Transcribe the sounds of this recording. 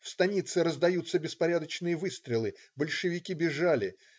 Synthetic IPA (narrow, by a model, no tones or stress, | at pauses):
fst̪ɐnʲit̪sɨɾəzd̪ɐjut̪səbʲɪspɐɾʲad̪ət͡ɕnɨjəvɨst̪ɾʲɪlˠɨ | bəlʲʂɨvʲɪkʲibʲɪʐalʲɪ